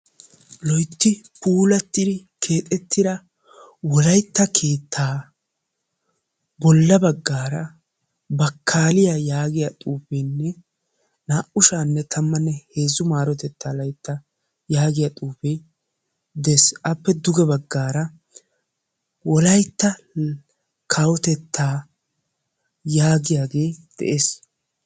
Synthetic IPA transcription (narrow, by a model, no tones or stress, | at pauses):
lɔjt̪ːɪpuːlɐt̪ːɪd̪ɪ | kʰe̞ːt̪ʼɛt̪ːɪd̪ɐ | wɔlɐjt̪ːɐkʰe̞ːt̪ːaː | bɔlːɐbɐɡːaːɾɐ | bɐkʰːaːlɪjajaːɡɪjat̪ʼuːfɛjnːɛ | naːʔʊʃaːnːɛt̪ʰɐmːɐnːɛhe̞ːzʊmaːɾɔt̪ɛt̪ːaːlɐjt̪ːɐ | jaːɡɪjat̪ʼuːfɛj | d̪ɛesʔɐpːɛd̪ʊɡɛbɐɡːaːɾɐ | wɔlɐjt̪ːɐ | kʰɐwɔt̪ɛt̪ʰːaː | jaːɡɪjaːɡe̞ːd̪̥ɛ̰ʔeːs